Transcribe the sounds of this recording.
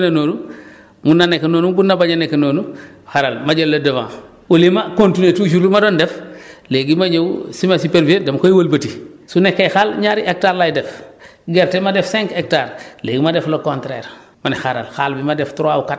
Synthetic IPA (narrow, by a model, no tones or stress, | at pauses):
nanoːnu | munːanekːenoːnubunːabaɲanekːenoːnu | xaɾalmaɟɐlːɐdɐvã̰ː | olimakõntinetuʃ̬uɾlumadondefleɡimaɲewsimasipeɾviedemkojwolbɐtisunekːejxalɲaɾiʔek̚taːɾlajdɛf | ɡeɾtemadefsɛŋkek̚taːɾleːɡimadeflokontɾḛɾ | manixaɾa̰lxalbimadeftuɾauka